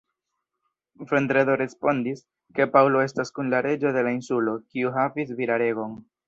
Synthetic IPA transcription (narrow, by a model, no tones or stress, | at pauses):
fɾend̪ɾedo̞ɾe̞spo̞ndis | ke̞pawlo̞e̞staskunlaɾe̞d͡ʒo̞de̞lainsulo̞kiuɦavisviɾaɾe̞ɡo̞n